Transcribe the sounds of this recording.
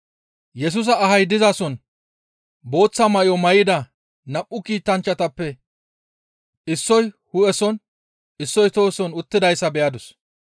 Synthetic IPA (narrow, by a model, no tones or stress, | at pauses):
jɛs̬ʊs̬ɐːɦɐjd̪ɪzasɔn | bo̞ːt͡sːɐmɐʔjɔmɐjɪd̪ɐ | nɐpʼːʊkiːt̪ːɐnt͡ʃːɐt̪ɐpːɛ | ɪsːɔj | hʊɛsɔn | ɪsːɔjt̪oːsɔnʊt̪ːɪd̪ɐjsːɐbɛjɐd̪ʊs